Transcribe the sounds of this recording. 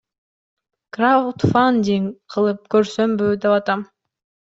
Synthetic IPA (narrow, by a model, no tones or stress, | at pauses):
krawt̪fanʲd̪ʲiŋqʰɯlˠɯp̚køɾsømbøːd̪epɑt̪ɑm